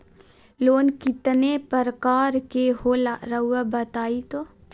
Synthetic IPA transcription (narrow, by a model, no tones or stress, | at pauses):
loːnkɪt̪nepəɾəkaːɾkeɦoːlɾəɦuabɐt̪aːit̪oː